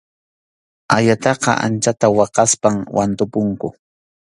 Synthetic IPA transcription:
aʎat̪ɑqɑ̰ʔa̰nt͡ʃat̪awɑqɑspamwʔant̪ʊpʊŋkʊ

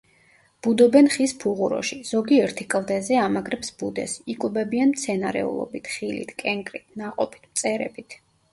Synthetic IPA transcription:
b̥ud̪ɔbɛnχispʰuʁuɾɔ̰ʃiz̥ɔɡiɛɾt̪ʰikʼlˠd̪ɛzɛamaɡɾɛpsb̥ud̪ɛ̰sikʼubɛbianmt̪sʰɛnaɾɛ̰ṵlˠɔ̰bit̪ʰχilḭt̪ʰkʼɛŋkʼɾit̪̚ʰnaqʼɔpʰi̥t̪ʰmt̪sʼɛɾɛ̰bit̪ʰ

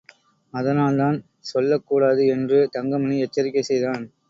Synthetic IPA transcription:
ɐðɐnaːlt̪aːn | sɔlːɐkːuːɽaːðɯɛndrɯt̪ɐŋɡɐmɐniɪɛt͡ʃːɐɾɪkːɐɪsɛjðaːn

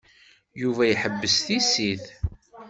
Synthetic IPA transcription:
juvæjħəbːəsθisiθ

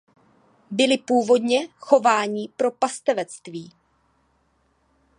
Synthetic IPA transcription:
bɪlɪpuːvo̞dɲɛxo̞vaːɲɪpɾo̞past̪ɛvɛt͡st̪viː

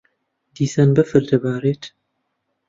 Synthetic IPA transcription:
d̪̥iːsanbɨfɨɾd̪ɐbaːɾeːt̪

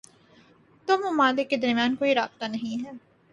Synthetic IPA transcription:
t̪omʊmaːlɪkːed̪ɐɾmjaːnkoːiɾaːb̚t̪anɐɦĩɦɛː

